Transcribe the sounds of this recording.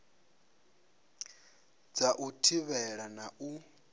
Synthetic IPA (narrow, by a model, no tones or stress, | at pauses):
d͡zaʔutʰiβɛɺanaʔu